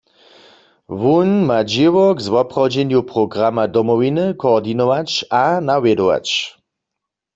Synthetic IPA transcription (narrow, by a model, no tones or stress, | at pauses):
ʋunmad͡ʒɪʋɔɡzʋɔpʁawd͡ʒɛnjupʁɔɡʁamadɔmɔʋinɨkɔːʁdinɔʋat͡ʃanawjɛdɔʋa̰t͡ʃ